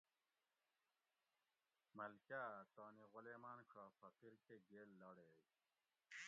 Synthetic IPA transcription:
mɐlkaːt̪oːniʁʊleːmaːnkʰaːfɐqiɾkeɡeːlːɐɽeːj

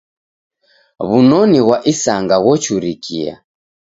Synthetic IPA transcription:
βunɔniɣwaʔisaŋɡaɣɔt͡ʃuɾikia̰

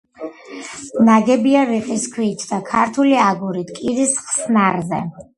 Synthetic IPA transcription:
naɡɛbiaɾiqʼiskʰwiːt͡ʃʰd̪akʰaɾt̪ʰuliaɡuɾit̪ʰkʼiɾisχsnaɾzɛ̰

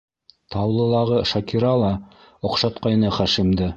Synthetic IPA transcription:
t̪ɑwlˠɤ̆lˠɑʁɤʃɑkiɾɑlˠɑ | ŏqʃɑt̪qɑjnɤχæʃimd̪ɘ

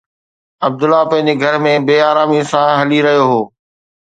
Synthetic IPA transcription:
ɐb̚d̪ʊlːapɐ̃ɦɪ̃ɲd͡ʑeɡʱɐɾmẽbeːaːɾaːmĩsãɦɐliɾɐɦijoɦoː

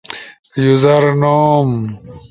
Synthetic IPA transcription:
juzɐɾnoːm

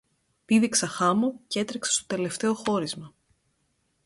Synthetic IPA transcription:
piðiksɐxɐmocee̞t̪ɾeksest̪o̞̥t̪e̞le̞ft̪e̞o̞xo̞ɾizmɐ

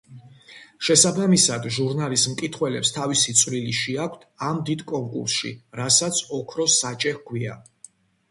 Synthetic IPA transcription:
ʃɛsabamisad̪ʒuɾnalismkʼit̪ʰχwɛlɛpst̪ʰavisit̪sʼʰvliliʃiakʷʰt̪ʰamd̪id̪kʼɔŋkʼṵɾsʃḭɾasat̪sʰɔkʰɾɔsat͡ʃʼɛχɡʰwia̰

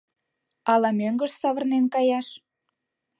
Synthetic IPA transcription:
ɑlɑmøŋɡə̆ʃsɑβə̆rnenkɑjɑʃ

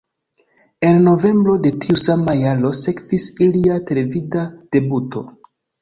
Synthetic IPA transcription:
e̞nno̞ve̞mbɾo̞de̞tʰiusamajalo̞se̞kvisiliatele̞vidad̥e̞butʰo̞̰

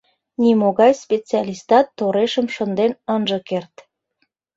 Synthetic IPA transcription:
nʲimoɣɑjspʲet͡seɑlʲist̪ɑt̪ːoɾeʃəmʃənd̪enənʒə̆kert̪

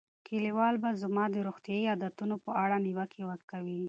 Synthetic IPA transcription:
kʰeliwɑlbazamɑd̪əɾoxt̪jɑiɑd̪at̪unopəʔaɽaniwakʰewəɾkawi

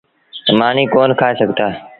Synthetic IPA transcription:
əmãːnĩːkoːnkʰaːeːsəɡʱt̪aː

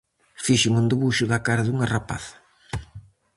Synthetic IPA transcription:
fiʃɪmund̪eβuʃʊðakaɾaðuŋarapa̰θɐ̥

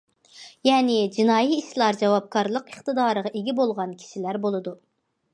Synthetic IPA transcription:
jɛːnɪd͡ʒinɑːjiːʃlˠɑɾd͡ʒɛwɑp̚kʰɑɾlˠəqəχt̪ɨd̪ɑːɾəʁɑʔiɡʲibolˠʁɑnkʲʰi̥ʃilæɾbolˠɨd̪u

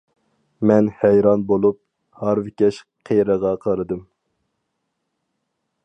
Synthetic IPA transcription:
mɛnhɛjɾɑnbolˠup̚ | hɑɾvɪkʲɛʃ | qʰejɾəʁɑqʰɑɾɨd̪ɨm

